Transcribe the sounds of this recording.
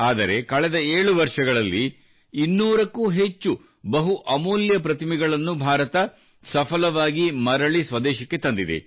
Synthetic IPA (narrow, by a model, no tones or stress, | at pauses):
aːd̪ɐɾe̞kɐɭɛd̪ɐeːɭuʋɐɾʂɐɡɐɭɐlːi | inːuːɾɐkːuːɦe̞t͡ʃːu | bɐɦuʔɐmuːljɐpɾɐt̪imiɡɐɭɐnːubʱaːɾɐt̪ɐ | sɐpʰɐlɐʋaːɡimɐɾɐɭisʋɐd̪ɛːʃɐkːe̞t̪ɐnd̪id̪ḛ